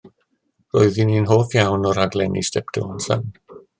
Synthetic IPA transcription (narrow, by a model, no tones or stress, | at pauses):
roɨðininɦoːfjawnɔɾadlˠɛnḭstɛpd̥ɪ̰ɔnsa̰n